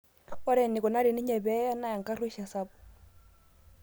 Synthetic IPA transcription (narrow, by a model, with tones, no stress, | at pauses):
ɔ˦ɾɛ˨ni˨kɔ˨na˦ɾi˨ni˦ɲɛ˨bɛ˦a˦na˦ja˨ŋka˦rwi˦ʃa˨sa˦p